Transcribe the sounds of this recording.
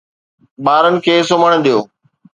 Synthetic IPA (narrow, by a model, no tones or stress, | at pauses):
ɓaːɾənɪ̆kʰeːsoməɽ̃d̪ijoː